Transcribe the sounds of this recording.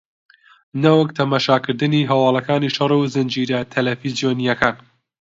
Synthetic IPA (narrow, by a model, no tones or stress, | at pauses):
nɐwək̚t̪ʰɐmaːʃaːkɨɾd̪ɨniɦɐwɑːlˠɐkaːniʃɐrˤuzɨnd͡ʒiːɾɐt̪ʰɐlɐfizijoːnijɐkaːn